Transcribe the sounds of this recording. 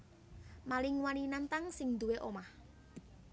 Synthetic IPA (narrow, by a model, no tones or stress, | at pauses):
malɪŋwaninant̪aŋsɪŋd̪uweʔomah